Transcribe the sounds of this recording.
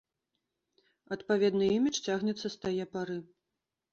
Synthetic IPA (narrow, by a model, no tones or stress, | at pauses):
ɐt̪pavʲɛd̪nɨimʲit͡ʂt͡sʲaɣnʲɛt̪sːɐst̪ajɛpaɾɨ